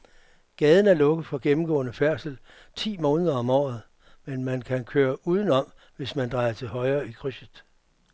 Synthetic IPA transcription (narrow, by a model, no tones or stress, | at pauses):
ɡ̥ɛːð̞ˠn̩æɐlɔ̽ɡ̥əð̩ˠfɒ̽ɡ̥emm̩ɡ̥ɔ̰̽ːnəfæɐ̰sl̩ | t͡sʰḭːmɔ̽ːnəð̞ˠɐɒ̽mɒ̰ːð̞̩ˠ | menmænkʰænkʰøːɐʔuːð̞ˠn̩ɒ̽m | ʋe̝smænd̥ʁɑ̈ɪɐt͡sʰe̝lɦɒ̽ɪɐːikʰʁysəð̥ˠ